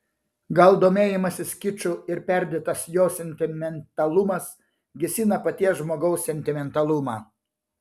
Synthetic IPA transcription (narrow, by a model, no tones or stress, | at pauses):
ɡɐlˠd̪oːmʲeːjɪmɐsʲɪskʲɪt͡ʃʲʊɪɾpʲɛɾʲd̪ʲeːt̪ɐsjoːsʲɛnʲt̪ʲɪmʲɛnt̪ɐlˠʊmɐs | ɡʲɪsʲinɐpɐt̪ʲiɛsʒmoːɡɐʊsːʲɛnʲt̪ʲɪmʲɛnt̪ɐlˠʊmɑː